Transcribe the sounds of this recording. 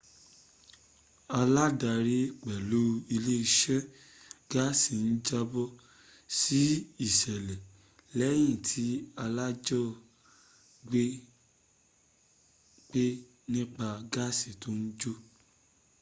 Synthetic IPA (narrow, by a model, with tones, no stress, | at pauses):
a˧la˦da˧ɾi˦k͡pɛ˨lu˦i˧le˦i˧ʃɛ˦ | ɡ̥a˦si˨n̩˦d͡ʒa˦bɔ˦ | si˦i˦˨ʃɛ˨lɛ˨ | lɛ˨˦j̃ĩ˦˨tʰi˨˦a˧la˦d͡ʒɔ˦ | ɡ͡be˦ | k͡pe˦ | nĩ˦k͡pa˧ɡa˦si˨to˦n̩˦d͡ʒo˦